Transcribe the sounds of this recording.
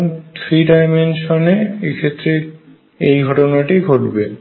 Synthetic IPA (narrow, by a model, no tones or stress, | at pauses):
t̪ʰɾiɖajmenʃoneekʰet̪ːɾe | ejɡʱɔʈonaʈiɡʱoʈbe